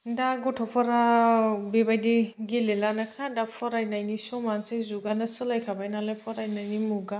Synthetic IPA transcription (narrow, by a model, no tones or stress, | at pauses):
daɡɔtʰɔpʰɔɾabebajdiɡelelanakʰadapʰɔɾajnajnisɔmansizuɡanɯsɯlajkʰabajnalajpʰɔɾajnajnimuɡa